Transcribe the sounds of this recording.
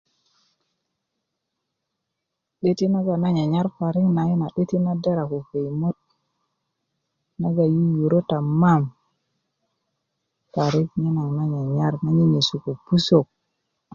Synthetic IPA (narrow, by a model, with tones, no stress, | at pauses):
ɗe˦ti˦na˦ɡa˨na˦ɲa˨ɲa˦ɾfa˨ɾi˦kna˨jo˦na˨ɗe˦ti˦na˦da˦ɾa˨ko˨ve˨jmo˦t̚ | na˦ɡa˨ji˦ju˨ɾo˦ta˨ma˦˨m | fa˨ɾi˦kɲe˦na˨ŋna˦ɲa˨ɲa˦ɾna˦ɲi˦ɲe˨su˨ku˨pu˦so˨k̚